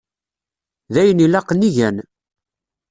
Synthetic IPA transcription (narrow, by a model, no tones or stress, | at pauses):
ðæjənilɑqniʝæn